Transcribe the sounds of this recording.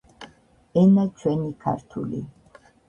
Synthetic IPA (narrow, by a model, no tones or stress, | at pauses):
ɛnat͡ʃʰwɛnikʰa̰ɾt̪ʰṵlḭ